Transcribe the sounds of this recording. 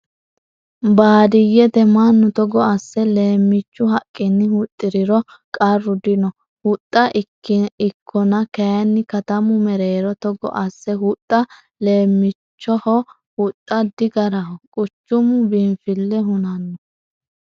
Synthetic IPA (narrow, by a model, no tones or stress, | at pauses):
baːd̪ɪjːɛt̪ɛmanːʊt̪ɔɡɔɐsːɛle̞ːmːɪt͡ʃːʊɦɐkʼːɪnːɪhʊt̪ʼːɪɾɪɾɔ | kʼɐrːʊd̪ɪnɔ | hʊt̪ʼːɐʔɪkːɪɪkʰːɔnɐkɐjɐnːɪkɐt̪ɐmʊmɛɾeːɾɔt̪ɔɡɔ̰ʔɐsːɛhʊt̪ʼːɐ | le̞ːmːɪt͡ʃːɔhɔ | hʊt̪ʼːɐd̪ɪɡɐɾɐhɔkʼʊt͡ʃːʊmʊbɪnfɪlːɛɦʊnɐnːɔ